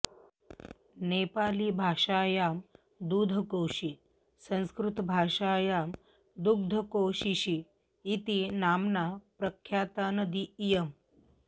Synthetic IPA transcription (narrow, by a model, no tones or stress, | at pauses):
nepaːlibʱaːʂaːjaːm | d̪uːd̪ʱəkowʃi | sə̃ñskɾut̪bʱaːʂaːjaːm | d̪uɡ̚d̪ʱəkoʃiɕiː | t̪inaːmnapɾəkʰjaːt̪anəd̪iːjəm